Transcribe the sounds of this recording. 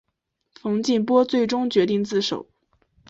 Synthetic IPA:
fɤ˧˥ŋt͡ɕi˥˩npwɔ˥t͡swe˥˩ɪʈ͡ʂʊ˥ŋt͡ɕɥɛ˧˥t̪i˥˧ŋt͡sɹ̩˥˩ʂo̰˨˩˦ʊ

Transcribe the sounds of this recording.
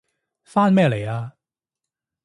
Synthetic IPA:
faː˥nmɛː˥˩le˨˩jaː˧

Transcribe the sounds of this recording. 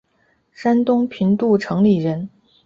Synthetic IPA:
ʂa˥nt̪ʊ˥ŋpʰi˧˥nt̪u˥˩ʈ͡ʂʰɤ˧˥ŋli˨˩ɻə˧˥n

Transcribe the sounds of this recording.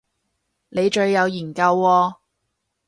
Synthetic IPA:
ne˨˧jt͡ʃɵ˨˧ɥːɐ˨˧wjiː˨˩nkɐ˧wːɔː˧

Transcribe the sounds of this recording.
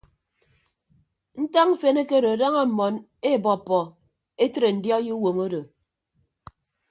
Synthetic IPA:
n̩˦ta˦ŋ̩˦fe˦ne˦ke˦ɾo˨a˨da˦ŋa˦m̩˨mɔ˨n | e˦˨bɔ˨pːɔ˨ | e˦tɾe˨n̩˨djɔ˦ji˦wo˨mo˦do˨

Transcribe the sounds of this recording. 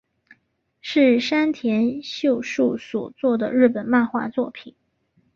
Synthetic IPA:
ʂɻ̩˥˩ʂa˥nt̪ʰjɛ˧˥nɕjo˥˧ʊʂu˥˩swɔ̰˨˩t͡swɔ˥˩d̪ə˩ɻɻ̩˥˩pə˨˩nma˥˧nxwa̰˥˧t͡swɔ˥˩pʰi˨˩˦n

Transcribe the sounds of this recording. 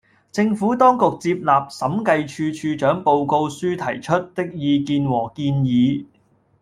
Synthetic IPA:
t͡sɪ˧ŋfuː˨˥t̪ɔː˥ŋkʊ˨k̚t͡siː˧p̚laː˨p̚sɐ˨˥mkɐ˧jt͡ʃʰyː˧t͡ʃʰyː˧t͡ʃœː˨˥ŋpo˧wko˧wsyː˥t̪ʰɐ˨˩jt͡ʃʰɵ˥t̚t̪ɪ˥k̚jiː˨˧kiː˧nwɔː˨˩kiː˧njiː˨˧

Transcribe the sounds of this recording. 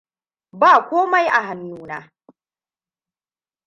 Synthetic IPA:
baː˦˨kʷoː˦ma˦jʔa˨ɦa˨mjuː˦na̰ː˦

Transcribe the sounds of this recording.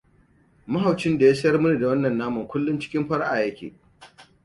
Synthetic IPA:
mɐ˦ɦa˨wt͡ʃɪ˦nda˨jaː˦sɐ˦jɐ˦rmʊ˦ni˨da˨wɐ˦nːɐ˨nːaː˦mɐ˨ŋkʷʊ˦lːʊ˦nt͡ʃɪ̥˦kʲɪ˦mɸɐ˦ɽʔaː˨jɐ˦kʲḛː˨

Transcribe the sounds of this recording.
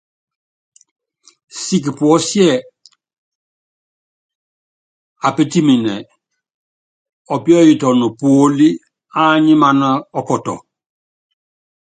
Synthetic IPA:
si˦k̬pu˨ɔ˦sjɛ˦˨ | a˨pe˦ti˦mi˨nɛ˨ | ɔ˨pi˦ɔ˦ji˨tɔ˨nu˨poː˨˦li˦ | a˦ɲi˦ma˦na˦ɔ˦kɔ˨tɔ̰˨

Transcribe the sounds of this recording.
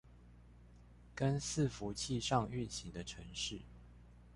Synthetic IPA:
kə˦ns̩˥˨fu˨˦t͡ɕʰi˥˧ʂɑ˥˧ŋy˥˨nɕi˨˦ŋd̪ə˧ʈ͡ʂʰə˧˥ŋʂɻ̩˥˩˨

